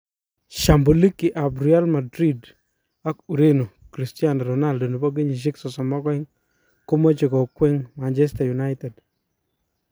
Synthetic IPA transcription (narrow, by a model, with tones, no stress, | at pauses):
ʃa˨mbo˨li˦kːi˨ʔa˨bɾi˦a˦lma˨dɾi˦d | a˦ku˨ɾe˦no˨ | kɾi˨sti˦a˦nɾɔna˦ldo˨no˨pɔ˦ɡ̬e˦ɲi˨ʃ̬i˦ksɔ˨sɔ˨mɔ˦kɔ˦ɛ˦ŋ | ko˦mo˦t͡ʃe˨kɔ˨kwɛ˦ŋma˨nt͡ʃɛ˦sta˨ju˨na˦ɪtɛ˨d